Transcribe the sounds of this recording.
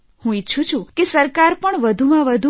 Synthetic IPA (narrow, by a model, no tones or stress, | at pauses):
hũitːʃʰũt͡ʃʰũkesəɾkaɾpəɳʋəd̪ʱumãʋəd̪ʱu